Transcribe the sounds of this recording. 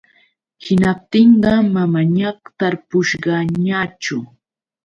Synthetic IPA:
hɪnap̚t̪ɪɴɢɑmamaɲaqt̪aɾpʊʃɢɑɲat͡ʃʊ

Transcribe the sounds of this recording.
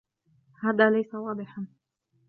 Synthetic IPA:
haːðaːlajsawɑːd̪ˤɨħan

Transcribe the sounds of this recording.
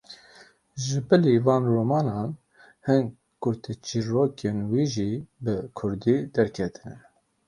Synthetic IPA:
ʒɨbɨlivɑːnroːmɑːnɑːn | hɨŋ | kʊɾt̪ʰɛt͡ʃiroːkʰenwiːʒiːbɨkʰʊɾd̪iːd̪ɛɾkʰɛt̪ʰɨnɨn

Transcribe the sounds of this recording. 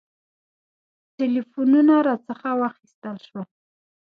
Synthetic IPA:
ʈelifununaɾat͡səxawaxist̪əlʃwa

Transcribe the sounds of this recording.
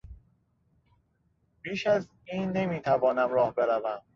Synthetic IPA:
b̥iːʃæz | iːnːemiːt̪ʰævɒːnæmɾɒːhbe̞ɾævæm

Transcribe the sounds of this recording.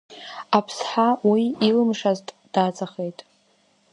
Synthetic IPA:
apʰsħawiːlɨmʂaztʼ | d̥at͡sʼaχe̞jtʼ

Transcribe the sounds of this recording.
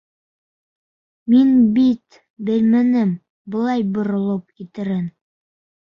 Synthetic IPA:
minbit̪ | bɘ̆lmænɘm | bɤ̆lˠɑjbŏɾŏlˠɤp̚kit̪ɘ̆ɾɘn

